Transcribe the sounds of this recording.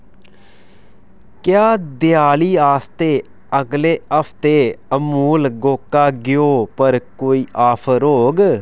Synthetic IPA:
kjaːd̪ɪjaːliːaːst̪eː | əɡleːəpʰt̪eːəmuːlɡoːkːaːɡɪjoːpəɾkoːiːʔaːpʰəɾɦoːɡ

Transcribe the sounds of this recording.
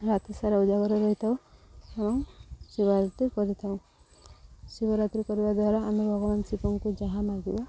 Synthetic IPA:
ɾat̪ʰisaɾaud͡ʒaɡɔɾɔɾɔɦit̪ʰawamɔŋsiβaɾat̪ikɔɾit̪ʰaw̃ | sibɔɾat̪ɾikɔɾibad̪waɾaamebʱɔɡɔmansipɔŋkud͡ʒaɦãmaɡibɔ

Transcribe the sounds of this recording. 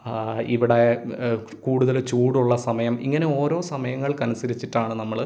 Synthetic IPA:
iʋiɽe | kuːɽuðɐlt͡ɕuːɽuɭːɐsɐmɐjɐmḭŋːɐneo̞ːɾo̞ːsɐmɐjɐŋːɐɭkɐnusɐɾit͡ɕːiʈːaːɳɨnɐmːɐɭ

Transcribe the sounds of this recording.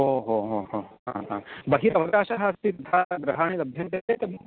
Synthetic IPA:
ɦoːɦoɦoɦoɦã̰ɦã̰bɐɦiɾɐʋɐkaːʃaɦaːst̪it̪ɐt̪ʰaːɡɾɐɦaːɳ̃ilɐbʱjɐnt̪et̪eːt̪ɐb

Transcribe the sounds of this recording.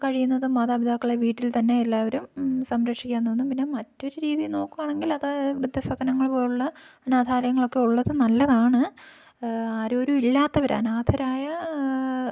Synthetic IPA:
kɐɻijunːɐðɨmaːðaːbid̪ʱaːkːɐɭeʋiːʈːilt̪ɐnːe̞ːlːaːʋɐɾumsɐmɾɐkʂikʲːaːnːonːumpinːe̞mɐtːo̞ɾuɾiːðijno̞ːkːumaːɳe̞ŋɡilɐðɐʋrud̪ʱːɐsɐd̪ɐnɐŋːɐɭpoːjuɭːɐɐnaːd̪ʱaːlɐjɐŋːɐɭo̞kːe̞uɭːɐðɨnɐlːɐðaːɳɨ | aːɾo̞ɾuilːaːt̪ːɐʋɐɾa̰naːd̪ʰʱɐɾaːjɐ

